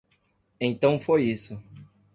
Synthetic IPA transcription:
ẽt̪ɐ̃w̃fojisʊ

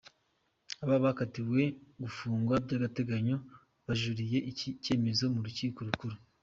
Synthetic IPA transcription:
aβaβakatiwe̞ɡufuːŋɡwabɟaːɡate̞ɡaɲo̞ | βaʒuɾije̞ʔicice̞ːme̞zo̞muɾuciːko̞ɾukuɾu

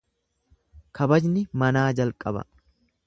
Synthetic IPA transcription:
kʰɐbɐd͡ʒnɪmɐnaːd͡ʒɐlkʼɐbɐ̰

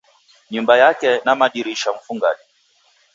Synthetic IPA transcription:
ɲumbajakɛnamaɗiɾiʃam̩fuŋɡaɗi

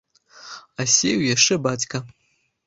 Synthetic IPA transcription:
ɐsʲejwjaʂt͡ʂɛbat͡sʲkɐ

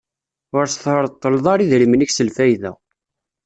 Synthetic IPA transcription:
ʊɾsθɾˤt̪ˤːəlðˤɑɾˤiðɾiməniçsəlfæjðæ̰

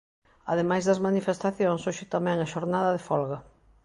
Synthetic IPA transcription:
ɐ̰ðemajzðɐzmanifest̪aθjoŋsoʃɪt̪amɛ̃ŋɐʃoɾnaðɐðefɔlɣɐ

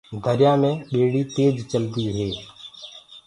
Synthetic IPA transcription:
ɡʱəɾjãːmẽːɓeːɽiːt̪eːd͡ʒt͡ʃəld̪iːɦeː

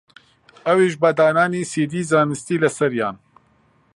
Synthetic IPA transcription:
ɐweːʒbad̪aːnaːneːseːd̪iːzaːnɨst̪iːlɐsɐɾja̰ːn

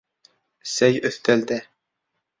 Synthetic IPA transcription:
sæjɵθt̪æld̪æ

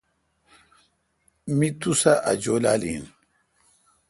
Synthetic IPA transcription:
mit̪usaʔa̰d͡ʑola̰ːlḭn

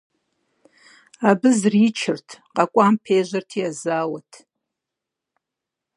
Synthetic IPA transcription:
abɨzriːt͡ʃʰɪrtʰqʼakʷʼaːmpʰeːʒʷɐrtʰiazaːwɐtʰ

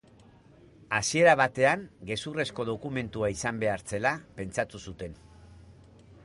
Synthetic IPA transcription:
asie̞ɾaβ̞at̪e̞aŋɡe̞sure̞sko̞ðo̞kume̞nt̪uaisambe̞aɾt͡se̞lape̞nt͡sat̪usut̪e̞n

